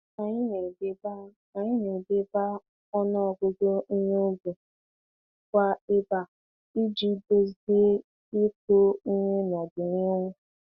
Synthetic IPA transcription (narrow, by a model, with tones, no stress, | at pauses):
na˨ɲɪ˦ne˨de˦ba˦ | a˨ɲɪ˦ne˨de˦ba˦ | ɔ˦nɔ˦ɔ˨ɡo˦do˦i˦ɲe˦o˦ɡu˨ | kʷa˦e˦ba˨ | i˦d͡ʒi˦do˦zde˦ | e˦ko˦ɲʊ˦nɔ˨dɪ˨nɪ˦ŋʷʊ˦